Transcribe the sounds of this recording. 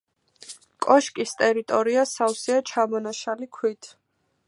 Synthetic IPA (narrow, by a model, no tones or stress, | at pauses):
kʼɔʃkʼist̪ʼɛɾit̪ʼɔɾiasawsiat͡ʃʰamɔnaʃalikʰwit̪ʰ